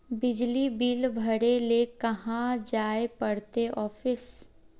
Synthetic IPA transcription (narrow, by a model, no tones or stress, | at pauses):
bɪd͡ʒlibiːlbʱəɽelekɐɦãd͡ʒaːepɐɽ̤t̪eʔɔːfɪs